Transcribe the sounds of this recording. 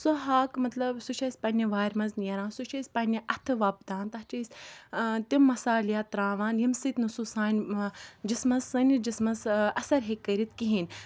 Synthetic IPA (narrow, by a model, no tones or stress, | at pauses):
soɦaːkmɐt̪lɐbsut͡ʃʰɐsʲpɐnʲiʋaːɾʲmɐznʲɐɾãːnsuʃʰɐsʲpɐnʲiʔɐt̪ʰɨʋaːp̚d̪aːnt̪ɐɦt͡ʃɐsʲ | t̪imːɐsaːlijaːt̪ɾaːʋaːnjɐmsɨt̪nususaːnʲd͡ʒismɐzɨnʲd͡ʒismɐzɐsɐɾɦekːɐɾit̪kiɦinʲ